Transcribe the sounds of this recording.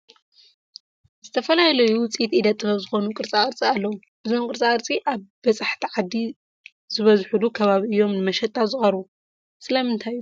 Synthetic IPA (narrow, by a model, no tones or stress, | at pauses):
zɨt̪ʰɐfɐlajlɐjuwʊt͡sʼit̪ʔid̪ɐt̪ʼːɨfɐβzɨxo̞nukʼɨɾt͡sʼakʼɨɾt͡sʼialːɐwu | ʔɨzomkʼɨɾt͡sʼakʼɨɾt͡sʼiʔaβbɐt͡sʼaħt̪ʰiʕad̪i | z̥ɨβɐzħulukʰɐβaβiɨjːo̞mnɨmɐʃɛt̪ʼːazɨxʼɐɾβu | sɨlɐmɨnt̪ʰajːu